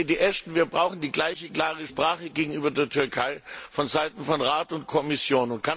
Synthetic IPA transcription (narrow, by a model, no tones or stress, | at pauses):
diːʔɛstn̩viːɐbʁaʊxn̩diːɡlaɪçəɡlaːʁəʃpʁ̥aːχəɡeːɡŋ̩ʔyːbɐdeːɐtʰʏɐkʰaɪfɔnzaɪtn̩fɔnʁaːtʊntkʰɔmɪsjoːnʊntkʰa